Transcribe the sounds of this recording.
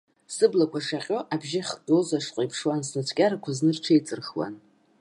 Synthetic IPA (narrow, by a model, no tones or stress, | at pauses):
sɨblakʷʰaʂaqʲʼo̞ʔabʒɪχdozaʂqʷʼajpʰʂwansnɨt͡sʷʰkʲʼaɾakʷʰaznɨrʈ͡ʂʰejt͡sʼɨrxwa̰n